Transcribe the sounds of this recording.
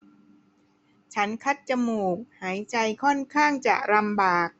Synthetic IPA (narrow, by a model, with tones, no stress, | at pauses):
t͡ɕʰa˦˥nkʰa˦˥t̪̚t͡ɕa˧muː˨˩k̚haː˩˦jt͡ɕa˧jkʰɔ˥˩nkʰaː˥˩ŋt͡ɕa̰˨˩ʔɾa˧mbaː˨˩k̚